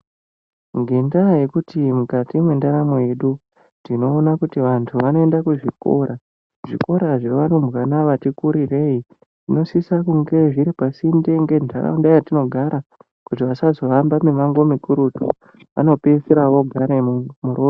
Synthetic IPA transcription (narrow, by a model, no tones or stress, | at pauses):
ŋɡe̞ndaje̞kutimukatimwe̞ndaɾamoeɗu | ndino̞ːnakutiʋantʰuʋano̞e̞ndakuʐiko̞̰ɾa | ʐḭko̞ɾaʐe̞ʋano̞mbɣwanaʋatikuɾire̞i | ino̞sisakuŋɡe̞ʐiɾipasinde̞ŋɡe̞ndʱa̰ra̰undajatino̞ɡʱaɾʔa | kut̬iʋasazo̞ʋambamemaŋɡo̞mikuɾutṵ | ʋa̰no̞pe̞seɾaʋo̞ɡʱaɾemumuɾoːro